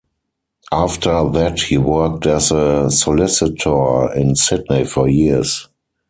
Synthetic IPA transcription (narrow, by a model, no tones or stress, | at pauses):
ʔaftʰə˞ðæthiːwɜ˞k̚tɛzəsɔlɪsɪtʰə˞ɪ̃nsɪdneɪfɔjis